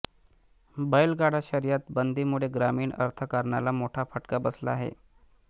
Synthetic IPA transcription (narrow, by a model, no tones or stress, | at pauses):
bəjlɡaɽaɕəɾijat̪bənd̪ʱiːmuɭeɡɾamiːɳə̰ɾt̪ʰəkəɾɳalamoʈʰafəʈkabəsla̰aɦḛ